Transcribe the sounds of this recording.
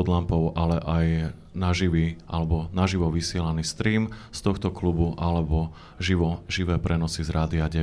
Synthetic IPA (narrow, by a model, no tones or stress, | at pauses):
ɔd̪lampɔʊʔalɛʔaj | naʒiʋiʔa̰lɛbɔnaʒiʋɔʋisɪɛlaniːst̪ɾiːmst̪ɔxt̪ɔklubuʔalɛbɔ | ʒiʋɔʒiʋɛːpɾɛnɔsizɾaːd̪iaɟɛ